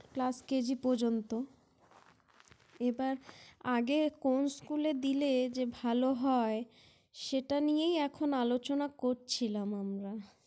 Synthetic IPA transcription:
klasked͡ʑipod͡ʑont̪o | ebaɾaɡekonskuled̪iled͡ʑebʱaloɦɔe | ʃeʈanijejɛkʰonalot͡ɕonakoɾt͡ɕʰilamamɾa

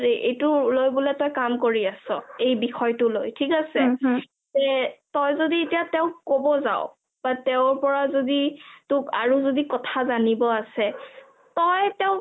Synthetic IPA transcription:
ɹiʔejtʊlojbulɛtɔjkamkoɹiasɔ̰ejbixʰɔjtʊlojtʰikasɛ | zɛtɔjzodietijatɛʊ̃kobɔza̰ʊ | b̥atɛʊ̃ɹpɔɹazoditʊka̰ɹuzodikɔtʰazanibɔasɛ | tɔjtɛʊ̃

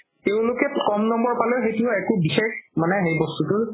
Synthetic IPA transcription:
teʊ̃lʊkɛkɔmnɔmbɔɹpalɔjxejtuɛkʊbixexmanɛɦejbɔstutʊɹ

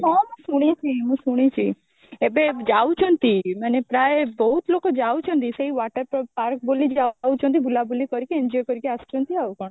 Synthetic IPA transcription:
kɔ̃mũsuɽ̃it͡ʃʰiɦũsuɽ̃it͡ʃʰi | ebed͡ʒaʋut͡ʃʰɔnt̪imanepɾaebəut̪lokod͡ʒaut͡ʃʰɔ̃nt̪iseiʋaʈəɾppaɾk̚bolid͡ʒaũt͡ʃʰɔ̃nt̪̬ibʱulabulikɔɾikeɛɲd͡ʒɔjkɔɾikeast͡ʃʰɔ̃nt̪iaʋukɔɳ̃

